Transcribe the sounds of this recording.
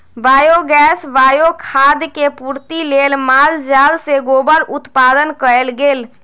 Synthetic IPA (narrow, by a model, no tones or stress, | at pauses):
ʋajoɡɛsʋajokʰad̪kepuɾt̪ilelmald͡ʒalseɡobəɾut̪pad̪ənkəelɡel